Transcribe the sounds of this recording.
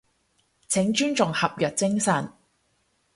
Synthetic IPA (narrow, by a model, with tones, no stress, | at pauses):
t͡sʰɪ˨˥ŋt͡ʃyː˥nt͡sʊ˨ŋhɐ˨p̚jœː˨k̚t͡sɪ˥ŋsɐ˨˩n